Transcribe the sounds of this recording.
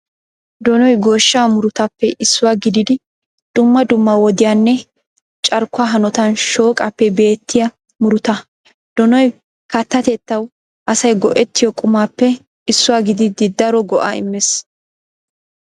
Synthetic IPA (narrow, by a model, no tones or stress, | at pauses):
d̪ɔnɔjɡo̞ːʃːaːmʊɾʊt̪ɐpːɛʔɪsːʊwaːɡɪd̪ɪd̪ɪ | d̪̥ʊmːɐd̪ʊmːɐwɔd̪ɪjanːɛ | t͡ʃʼɐɾkːʊaːɦɐnɔt̪ɐnʃo̞ːkʼɐpːɛbe̞ːt̪ːɪjɐ | mʊɾʊt̪ɐ | d̪̥ɔnɔj | kɐt̪ːɐt̪ɛt̪ːɐw | ʔɐsɐjɡɔʔɛt̪ːɪjɔkʼʊmaːpːɛ | ɪsːʊwaːɡɪd̪ɪd̪ɪd̪ɐɾɔɡɔʔa̰ːɪ̰mːɛs